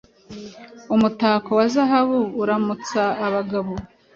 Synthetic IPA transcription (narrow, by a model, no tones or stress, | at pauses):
umutaːkowazaɦaβuːɾamut͡saːβaɡaβo